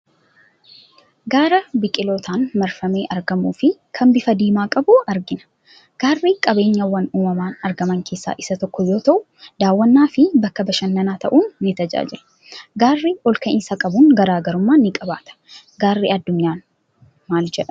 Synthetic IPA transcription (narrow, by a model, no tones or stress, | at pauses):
ɡaːɾɐbɪkʼɪloːt̪ʰaːnmɐɾfɐme̞ːʔɐɾɡɐmuːfɪkʰɐmbɪfɐd̪iːmaːkʼɐbʊɐɾɡɪnɐ̥ | ɡ̥aːrːiːkʼɐbe̞ːɲːɐwːɐnuːmɐmaːnɐɾɡɐmɐŋkʰe̞ːsːa̰ːʔɪsɐt̪ɔkːɔjo̞ːt̪ɐʔʊ | d̪̥aːwːɐnːaːfɪbɐkːɐbɐʃɐnːɐnaːt̪ɐʔuːnːɪt̪ɐd͡ʒa̰ːd͡ʒɪlɐ | ɡaːrːiɔlkɐʔɪnsɐkʼɐbʊŋɡɐɾaːɡɐɾʊmːaːnːɪkʼɐba̰ːt̪ɐ̥ | ɡaːrːiːɐd̪ːʊɲːaːn | maːld͡ʒɛᶑɐ